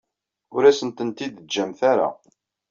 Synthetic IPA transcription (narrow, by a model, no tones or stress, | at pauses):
ʊɾæsənt̪ənt̪id̪d͡ʒːæmθaɾa̰